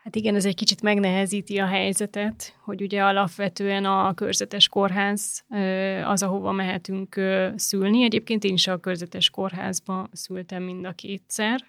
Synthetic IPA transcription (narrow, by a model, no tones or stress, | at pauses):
hat̪iɡɛnɛzɛckit͡ʃit̪mɛɡnɛɦɛziːt̪iɒɦɛjzɛt̪ɛt̪ho̞ɟuɟɛɒlɒpʋɛt̪øːɛnɒkø̰rzɛt̪ɛʃko̞rɦaːz̥øɒ̰zɒɦo̞vɒ̰mɛɦɛt̪yŋkøsylniɛɟeːp̚keːnt̪eːniʃɒkørzɛt̪ɛʃko̞rɦa̰ːzbɒsylt̪ɛmːind̪ɒkeːt̪sɛr